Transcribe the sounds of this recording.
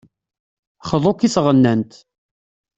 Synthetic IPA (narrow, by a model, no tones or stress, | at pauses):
χəðˤokisʁənːænt̪